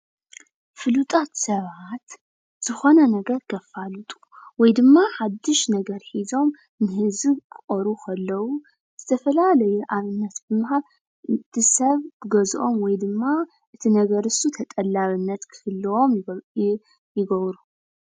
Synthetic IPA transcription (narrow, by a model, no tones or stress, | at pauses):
fɨlut̪ʼat̪sɐβat̪ | z̥ɨxo̞nɐnɐɡɐɾɡɐfalut̪ʼu̥ | wɔjd̪ɨmːaħad̪ːɨʃnɐɡɐɾħizo̞m | nɨɦɨzɨkʰɨχʼɐɾukʰɐlːɐwu | z̥ɨt̪ʰɐfɐlalɐjuʔaβɨnːɐt̪bɨmɨɦal | ɨt̪ʰisɐβkɨɡɐzʔo̞mwɔjd̪ɨmːa | ʔɨt̪ʰinɐɡɐɾɨsut̪ʰɐt̪ʼɐlːaβɨnːɐt̪kʰɨ̥hɨlːɨwo̞m | jɪɡɐβɾu